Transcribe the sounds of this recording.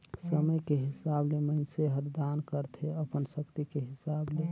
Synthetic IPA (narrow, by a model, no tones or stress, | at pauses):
səməjkeɦɪsableməɪnseɦəɾd̪ankəɾt̪ʰeəpənsəkt̪ikeɦɪsable